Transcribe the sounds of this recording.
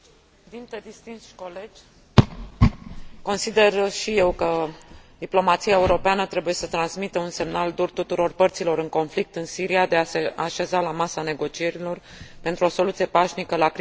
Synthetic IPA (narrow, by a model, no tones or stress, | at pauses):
d̪int̪ed̪ist̪int̪sʃko̞le̞d͡ʒʲ | ko̞nsid̪e̞rʃije̞wkəd̪iplo̞mat̪siae̞uɾo̞peanət̪ɾe̞buje̞sət̪ɾansmit̪əunse̞mnald̪urt̪ut̪uɾo̞rpərt̪silo̞ɾɨŋko̞nflik̚t̪ɨnsiɾijad̪easeaʃe̞zalamasane̞ɡo̞t͡ʃie̞ɾilo̞r | pe̞nt̪ɾuo̞so̞lut̪sije̞paʃnikəlak